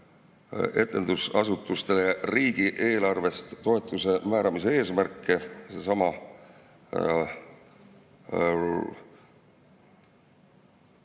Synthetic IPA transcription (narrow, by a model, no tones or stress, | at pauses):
e̞t̪ːˑe̞nd̪̥usɑsut̪ːˑust̪e̞leriːɡ̥iʔe̞ːlɑrve̞st̪ːo̞e̞t̪ːˑuse̞mæːɾɑmisee̞ːsmærkːˑese̞sɑmɑ